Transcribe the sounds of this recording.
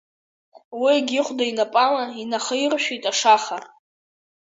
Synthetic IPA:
wiaɡʲɪχʷdainapʼalainaχəirʃᶣijtʼaʂaχa

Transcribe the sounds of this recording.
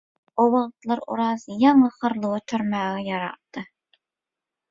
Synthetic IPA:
owɑʁt̪lˠɑɾṵɾɑzjɑŋɑχəɾlˠuwɑt̪ʰøɾmæːʁɛjɑɾɑ̰tt̪ːɨ

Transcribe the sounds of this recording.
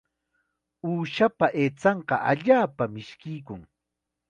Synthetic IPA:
uːʃapaʔeːt͡sɑɴqɑʔa̰ʎaːpamɪʃkɪjkʊŋ

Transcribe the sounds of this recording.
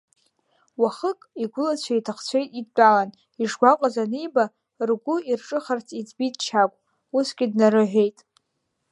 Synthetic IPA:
waχəkʼiɡʷʊlat͡ɕʷʰaitʰaχt͡ɕʷʰejtʼidt͡pʼalan | iʂɡʷaqʷʼazanijba | rɡʷʊirʈ͡ʂʼɨχart͡sʰid͡zbitʼt͡ʃʰakʷʼ | usɡʲʼɪdnaɾɨʕʷᶣejtʼ

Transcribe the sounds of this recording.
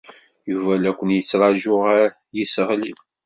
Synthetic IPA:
juvælækʷːənjət͡sːɾˤɑʒʊʁaɾ | jisəʁlim

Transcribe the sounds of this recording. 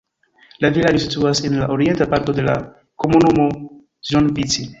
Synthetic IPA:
lavilad͡ʒos̬ituase̞nlaʔo̞ɾie̞ntapaɾto̞de̞la̰ | ko̞munumo̞ | ʒonvit͡si

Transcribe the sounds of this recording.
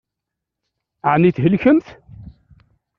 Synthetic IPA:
əʕniθɦəlçəmθ

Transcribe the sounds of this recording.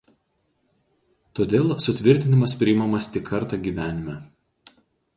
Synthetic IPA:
t̪oːd̪ʲeːlˠsʊt̪ʲʋʲɪɾʲt̪ʲɪnʲɪmɐspʲɾʲɪɪmɐmɐst̪ʲɪkʰːɐɾt̪ɑɡʲiːʋʲæːnʲɪmʲæ

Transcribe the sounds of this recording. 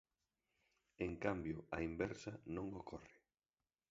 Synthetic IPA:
eŋkambjʊɐimbɛɾsɐnõŋokʰɔrɪ

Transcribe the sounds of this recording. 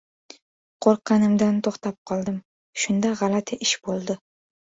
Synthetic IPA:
qʰoɾqʰːɑnɪmd̪ant̪ʰoχt̪ap̚qʰɒlˠd̪ɪm | ʃʊnd̪aʁɑlat̪ʰɪʔɪʃbolˠd̪ɪ

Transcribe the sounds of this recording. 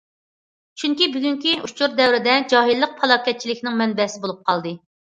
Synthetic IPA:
t͡ʃʰyŋkʲibyɡʲyŋkʲiʔut͡ʃʰuɾd̪ɛwɾɪd̪ɛd͡ʒɑːɦilˠːəq̚pʰɑlˠɑːkʲɛt̪̚t͡ʃʰilɪkʲnɪŋmɛnbɛsɪbolˠup̚qʰɑlˠd̪ɨ

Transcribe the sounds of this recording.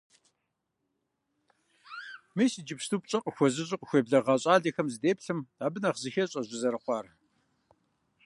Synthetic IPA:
meːsid͡ʒɪpstʰuːpɕʼɐqʼəxʷɔzɨɕʷʼɪqʼxʷeːbɮɐʁɑɕʼaːɮɐxɐmzɨdeːpɬɨmaːbɨnɐχzɨxɐɕʼɐʑʷɪzɐɾɨqʷɑːr

